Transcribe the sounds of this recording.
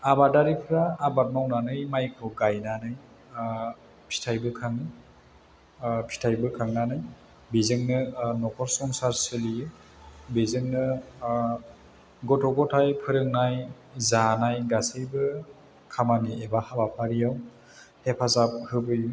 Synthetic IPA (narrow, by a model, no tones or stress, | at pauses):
abadaɾipʰɾaːbat̚mawnanɯjmajkʰɔɡajnanɯj | pʰi̥tʰajbɯkʰaŋ | pʰi̥tʰajbɯkʰaŋnanɯj | bezɯŋnɯnɔkʰɔɾsɔŋsaɾsɯlijɯ | bezɯŋnɯ | ɡɔtʰɔɡɔtʰajpʰɯɾɯŋnaj | zanajɡasɯjbɯ | kʰamaniebahabapʰaɾijaw | hepʰazap̚hɯbɯju